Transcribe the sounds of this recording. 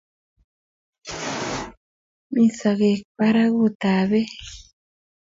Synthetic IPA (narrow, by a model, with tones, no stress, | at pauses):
mĩ˦sa˨ɣe˨kpa˦ɾa˦ɣu˦˨t̪a˨βe˦